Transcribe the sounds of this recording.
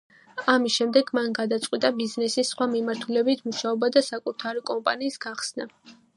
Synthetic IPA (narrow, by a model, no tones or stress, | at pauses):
amisʃɛmd̪ɛɡmanɡad̪at̪sʼqʼwit̪ʼabiznɛsisːχwamimaɾt̪ʰulɛbit̪ʰmuʃaɔbad̪asakʼut̪ʰaɾikʼɔmpʼa̰niːsɡ̥aχsna